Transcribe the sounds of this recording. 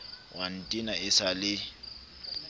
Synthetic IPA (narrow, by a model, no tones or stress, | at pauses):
wan̩tʼinaɪsalɪ